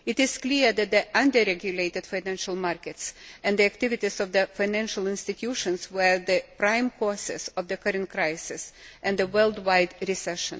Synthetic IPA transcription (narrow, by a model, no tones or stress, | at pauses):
ɪtɪz̥kliðæt̪̚ðiʔʌ̃nd̪əɾɛɡjʊleɪt̪ɨd̥faɪnæ̃nʃəlˠmɑɹkɨtsɨ̃nd̪iæk̚t̪ɪvɪt̪ɪzɔvðəfaɪnæ̃nʃəlˠɪ̃nstɨt̪ʰjuʃə̃nswə˞ðɨpɹãɪ̃mkʰɔsɪ̰sɔvðɨkʌɾɨ̃nt̚kɾaɪsɪsʔæ̃nd̪ðəwɜ˞lˠdwaɪdɾɪsɛʃə̰̃n